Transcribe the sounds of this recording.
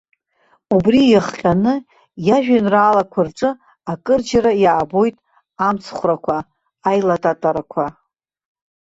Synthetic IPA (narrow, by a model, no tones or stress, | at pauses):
ubrijaχqʲʼanɨ | jaʒᶣanraːlakʷʰarʈ͡ʂʼɨ | akʼɨrd͡ʒaɾajaːbo̞jtʼ | amt͡sʰχʷrakʷʰaː | jlatʼatʼaɾakʷʰa